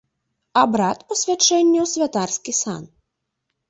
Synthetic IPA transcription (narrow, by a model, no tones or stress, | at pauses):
abɾat̪pɔsʲvʲat͡ʂɛnʲːɛwsʲvʲat̪arskʲisa̰n